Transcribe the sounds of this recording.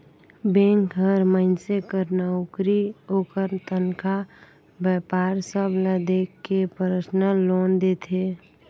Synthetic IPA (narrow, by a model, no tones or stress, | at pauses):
bẽŋkɦəɾməɪnsekəɾnaukɾiɦokəɾt̪ənka | bɛpaːɾsəbʱlad̪ekːepəɾət͡ʃnəloːnd̪et̪ʰe